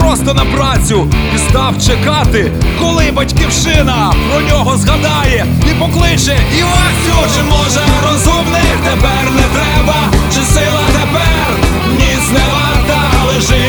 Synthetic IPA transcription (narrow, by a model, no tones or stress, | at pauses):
ɾɔst̪ɔnɐpɾɑt͡sʲʊpist̪ɑwt͡ʃekɑt̪ɪ | kɔlˠɪbɐtʲkʲiwʃɪnɐpɾɔnʲɔɦɔzɦɐd̪ɑjɛ | ipɔklˠɪt͡ʃɛiwɑ | ɔt͡ʃɪmɔʒɛɾɔzumnɪt̪epɛrnɛt̪ɾɛbɐt͡ʃɪsɪlˠɐt̪epɛr | mnʲiznɛlˠɐt̪ɐlˠeʒɪ